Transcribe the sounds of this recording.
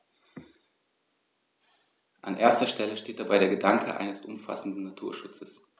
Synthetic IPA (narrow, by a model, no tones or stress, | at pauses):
ʔa̰nʔeːɐstɐʃtɛləʃteːt̚d̥abaɪɾeːɐɡədaŋkʰə̰ʔa̰ɪnəsʊmfa̰sn̩dn̩ːatʰuːɐʃʊt͡səs